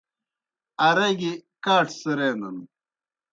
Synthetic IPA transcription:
ɐɾɐɡikaːʈsəɾeːnɐ̰n

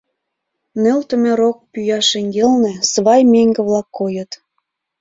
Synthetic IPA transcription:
nølt̪ə̆mĕɾok̚pyjɑʃeŋɡelnĕsβɑjmeŋɡə̆βlɑkːojə̆t̪

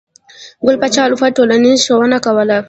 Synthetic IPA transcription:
ɡʊlpat͡ʃalufaʈoːlanizʃowɐnakawɐla

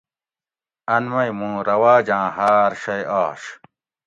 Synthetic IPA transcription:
ɐnmɐjmũːɾɐwaːd͡ʑãːɦaːɾɕɐjaːɕ

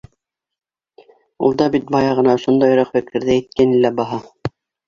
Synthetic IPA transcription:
ṵlˠd̪ɑbit̪̚bɑjɑʁɤ̆nɑŏʃond̪ɑjŏɾɑqfɘ̆kʰɘ̆ɾðææt̪̚kænilːæbɑɦɑ

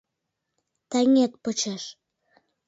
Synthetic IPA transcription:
t̪ɑŋet̪̚pot͡ɕeʃ

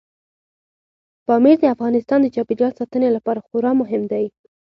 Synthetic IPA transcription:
pɑmeɾd̪əafɣɑnɪst̪ɑnd̪əd͡ʒɑbiɾjɑt̪sɑt̪ənelapɑɾaxʊɾɑmʊɦɪmd̪aj

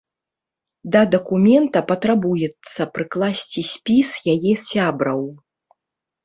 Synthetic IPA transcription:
d̪ɐd̪ɐkumʲɛnt̪ɐpɐt̪ɾabujɛt̪sːɐpɾɨklˠasʲt͡sʲisʲpʲisjajɛsʲabɾɐw

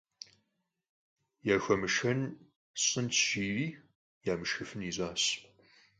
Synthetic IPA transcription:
jaːxʷɐmɨʃxɐn | ɕʼɨntʃiːriː | jaːmɨʃxɨfɨniːzʼaːɕ

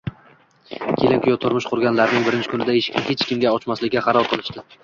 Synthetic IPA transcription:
kʲʰelɪŋkʰʲʊjɒt̪ʰʊɾmɪʃqʰʊɾɡʲanlaɾɪnɪŋbɪɾɪnt͡ʃʰɪ̥kʰʊnɪd̪aeʃɪ̥kʲnɪhe̞t͡ʃkʲɪmɡʲaɒt͡ʃmaslɪkʲːaχɑɾɒlˠqʰɨlˠɪʃt̪ɪ

